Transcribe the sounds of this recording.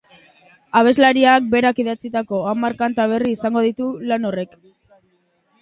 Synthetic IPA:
aβ̞e̞zlaɾiak̚be̞ɾakiðat͡sit̪ako̞amaɾkant̪aβ̞e̞riːsaŋɡo̞ð̞it̪ulano̞re̞k

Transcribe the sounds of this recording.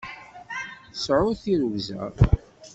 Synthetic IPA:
θsʕʊθiɾwzæ̰ɾ

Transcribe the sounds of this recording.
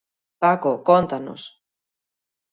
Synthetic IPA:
pakokont̪ano̰s

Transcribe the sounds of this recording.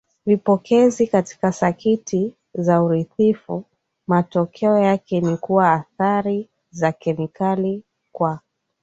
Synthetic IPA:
vipɔkʰɛzikati̥kasakitʰi | zauɾiθifu | matɔkʰɛɔjakɛnikuwaːθaɾi | zakɛmikali | kwa

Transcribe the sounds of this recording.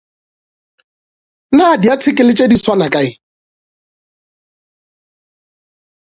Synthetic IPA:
nadiat͡sʰɪkʼɪlɪt͡ʃʼediswanakʼaɪ

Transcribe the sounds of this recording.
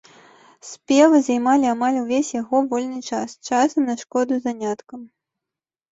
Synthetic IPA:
spʲɛvɨzajmalʲiamalʲuvʲesʲjaɣɔvɔlʲnɨt͡ʂast͡ʃasɐmnɐʂkɔd̪uzanʲat̪kɐm

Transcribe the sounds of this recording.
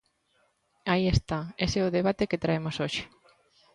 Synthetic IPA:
aiest̪aeseʊðeβ̞at̪eket̪ɾaemosoʃɪ̥

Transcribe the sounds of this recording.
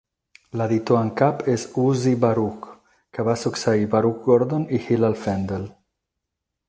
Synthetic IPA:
laðit̪oaŋkapesuzibaɾuk | keβasuksaibaɾuk̚ɡoɾd̪onihilalfend̪el

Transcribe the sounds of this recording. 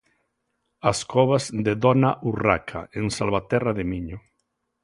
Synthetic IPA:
askɔβazðeðɔnaʔura̰kʰa̰eŋsalβat̪ɛraðemiɲo

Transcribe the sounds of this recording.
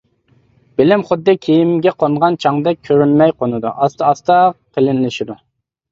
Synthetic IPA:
b̥ɪlɪmχʊd̪ːɨkʲʰijimɡʲɛqʰonʁɑnt͡ʃʰɑŋd̪ɛk̚ʲkʲʰøɾynmɛjqʰonɨd̪ṵʔɑst̪ɑst̪ɑqʰəlɪnlɪʃid̪u

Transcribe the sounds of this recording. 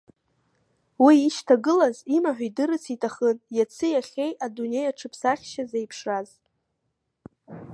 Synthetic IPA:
wiːʃtʰaɡɨlazimaħʷᶣidɨɾɨt͡sʰitʼʰaχənjat͡sʰɨjaχʲe̞jadune̞jaʈ͡ʂʰɨpʰsaχʲʃazejpʰʂraz

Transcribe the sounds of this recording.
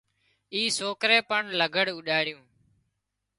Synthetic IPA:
iːsoːkɾeːpəɳləɡʱəɽuɗaːɽɪjũː

